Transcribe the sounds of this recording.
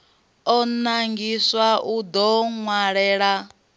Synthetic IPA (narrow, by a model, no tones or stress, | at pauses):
ɔnaŋɡiswaʔud̪ɔŋwaɺɛːɺa